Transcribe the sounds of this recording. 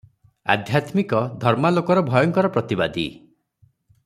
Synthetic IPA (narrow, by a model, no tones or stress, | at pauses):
a̰d̪ʱjat̪mikɔd̪ʱɔɾmalokɔɾɔbʱɔjɔŋkɔɾɔpɾɔt̪ibad̪ḭ